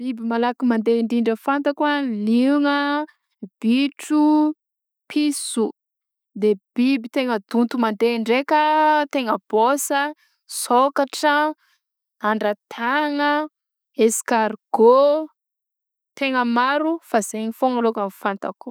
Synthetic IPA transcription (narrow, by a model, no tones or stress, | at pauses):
b̥ibimalakimand̪eɳɖ͡ʐiɳɖ͡ʐəfant̪akualiŋə | b̥iʈ͡ʂu | pʰisu | d̪eb̥ibit̪eŋəd̪unt̪umand̪eɳɖ͡ʐekət̪eŋəb̥osə | sokaʈ͡ʂə | aɳɖ͡ʐat̪ʰaŋə | eskaɾɡ̥o | t̪eŋəmaɾufaz̥eɲifoŋalokamfant̪aku̥